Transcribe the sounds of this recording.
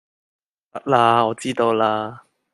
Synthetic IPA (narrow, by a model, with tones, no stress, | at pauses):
tɐ˥k̚la˧ɔː˨˧t͡siː˥t̪o˧wla˧